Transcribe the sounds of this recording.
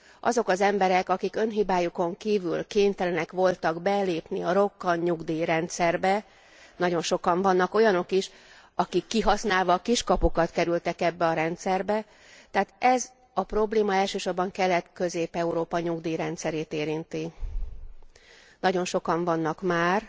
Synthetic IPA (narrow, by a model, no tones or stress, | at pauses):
ʔɒ̰zo̞kɒzɛmbɛɾɛkɒkikø̞nɦibaːjuko̞ŋkiːvy̰lkeːɲt̪ɛlɛnɛkʋo̞lt̪ɒɡbɛleːpniɒɾo̞kːɒɲɲuɡd̪iːɾɛnt̪sɛrbɛ | nɒɟo̞nʃo̞kɒɱvɒnːɒko̞jɒno̞kiʃ | ɒkikːiɦɒsnaːlvɒːkiʃkɒpokɒt̪kɛɾylt̪ɛkɛbːɛɒɾɛnt̪sɛrbɛ | t̪ɛaːt̪ɛz | ɒpro̞bleːmɒɛlʃøːʃo̞rbɒŋkɛlːɛt̪kø̞zeːpɛuɾoːpɒɲuɡd̪iːɾɛnt̪sɛɾeːt̪eːɾint̪i | nɒɟo̞nʃo̞kɒɱvɒnːɒkmaːr